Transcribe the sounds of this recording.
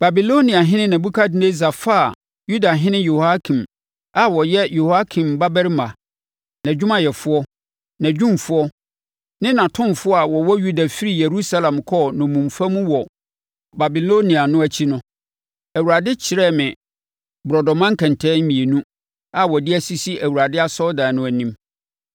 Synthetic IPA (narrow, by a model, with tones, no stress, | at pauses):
ba˨bi˨lo˦nĩ˨a˨ɦɪ̃˦nɪ̃˦nã˨bu˦kʰa˦dɪ˦ne˦za˨fa˦˨ | ju˦da˨ɦɪ̃˦nɪ̃˦jo˨ha˦kʰĩ˨m | a˨wɔ˨jɛ˦jo˨ha˦kʰĩ˨mba˦bɛ˦ɾɪ˦mã˨ | nã˨d͡ʑᶣʊ˦mã˨jɛ˨fʊ˦ɔ˦ | nã˨d͡ʑᶣũ˦mfʊ˦ɔ˦ | nɪ̃˦nã˨tʰʊ̃˦mfʊ˦ɔ˦a˨wɔ˨wɔ˦ju˦da˨fi˦ɾi˦˨je˨ɾu˦sa˦lã˨mkʰɔː˦˨nʊ̃˨mũ˨mfa˦mũ˦wɔ˨ | ba˨bi˨lo˦nĩ˨a˨nʊ̃˦æ˨t͡ɕʰi˦nʊ̃˦ | æ˨wu˨a˨dɪ˦t͡ɕʰɪ˨ɾɛ˦˨mɪ̃˨ | bɾɔ˨dɔ˨mã˦ŋ̩˦kʰɛ̃˨ntʰɛ˦mĩ˨e˨nũ˦ | a˨wɔ˨dɪ˦æ˦si˦si˦ʔæ˨wu˨ɾa˨dɪ˦a˦sɔ˦dã˨nʊ̃˦æ˨nĩ˦m